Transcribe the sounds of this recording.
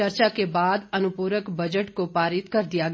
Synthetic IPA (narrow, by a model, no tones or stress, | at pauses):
əɾt͡ʃakebaːd̪ənʊpuːɾəkbɐd͡ʒəʈkopaːɾɪt̪kɐɾd̪ɪjaɡ